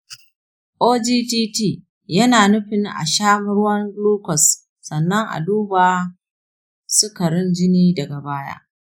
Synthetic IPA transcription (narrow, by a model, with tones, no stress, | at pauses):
ʔoː˦d͡ʒiː˦tiː˦tiː˦˨ | jɐ˦naː˨nʊ˦ɸɪ˨ŋʔa̰˨ʃaː˦mʊ˦ɾʊ˦wɐ˦ŋɡluː˦kʷɔ˨sː | ɐ˨nːɐ˦ŋʔa̰˨duː˦baː˨ | sʊ˦kɐ˨ɽɪ˦nd͡ʒɪ˦niː˦dɐ˨ɡa˨baː˦ja̰ː˦ʔ